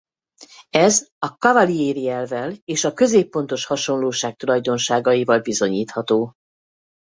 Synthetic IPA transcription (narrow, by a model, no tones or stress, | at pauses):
ɛzɒkɒvɒlieːɾiɛlvɛleːʃɒkø̞zeːpːo̞n̪t̪o̞ʃhɒʃo̞nloːʃaːk̚t̪ulɒjd̪o̞nʃaːɡɒjivɒlbizo̞ɲiːt̪hɒt̪oː